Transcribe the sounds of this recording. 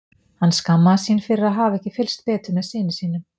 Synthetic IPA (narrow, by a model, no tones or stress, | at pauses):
hanːskamːaðsiːnfɪɾɪɾaðɦaːvaɛhcɪfɪlst̪̚pɛːt̪ʏmɛðsɪːnɪsiːnʏm